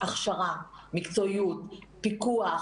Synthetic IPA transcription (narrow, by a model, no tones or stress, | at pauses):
ʔaχʃaʁamikt͡soijut̪pikua